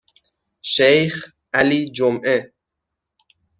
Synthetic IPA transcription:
ʃejχ | ʔaliːd͡ʒomʔe

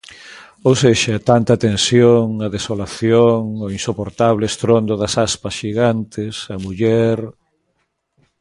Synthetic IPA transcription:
owseʃɐt̪ant̪at̪ẽnsjoŋɐðesolaθjoŋoinsopoɾt̪aβleest̪ɾond̪oðɐsaspɐsʃiɣant̪esɐmuʎɛɾ

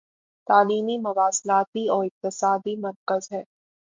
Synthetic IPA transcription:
t̪aːliːmimʊʋaːslaːt̪iɔːɾɪq̚t̪ɪsaːd̪imɐɾkəzɦɛː

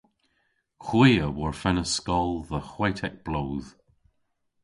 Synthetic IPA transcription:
xwiːəwɔɹfɛnəskɔlˠðəxwajtʰɛk̚b̥loːð

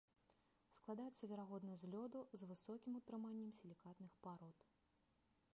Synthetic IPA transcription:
sklˠad̪ajɛt̪sːɐvʲɛɾaɣɔd̪nɐjuzʲlʲɔd̪uzvɨsɔkʲimut̪ɾɨmanʲːɛmsʲilʲikat̪nɨxpaɾɔt̪

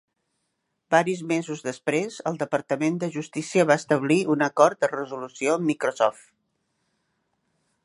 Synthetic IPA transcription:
baɾizmezuzðəspɾezəlˠd̪əpəɾt̪əmend̪əʒust̪isiəβaəst̪əβliʔunəkɔɾt̪̚d̪ərəzulusioəmːikɾosɔft̪

